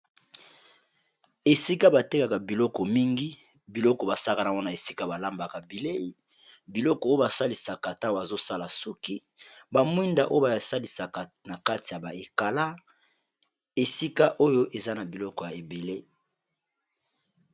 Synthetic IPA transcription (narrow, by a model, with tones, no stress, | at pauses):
e˨si˦ka˦ba˨te˦ka˨ka˨bi˨lɔ˦kɔ˨mi˦ŋɡi˦ | bi˨lɔ˦kɔ˨ba˨sa˦ka˨na˨ɔ˦na˨e˨si˦ka˦ba˨la˦mba˨ka˨bi˨le˦i˨ | bi˨lɔ˦kɔ˨o˦o˦ba˨sa˦li˨sa˨ka˨ta˦wa˨zo˦sa˦la˨su˦ki˦ | ba˨mwi˦nda˨ʔo˦ba˨sa˦li˨sa˨ka˨ | na˨ka˦ti˨ja˨ba˨e˨ka˨la˦ | e˨si˦ka˦ʔo˦jo˦ʔe˨za˦na˨bi˨lɔ˦kɔ˨ja˨e˨be˨le˦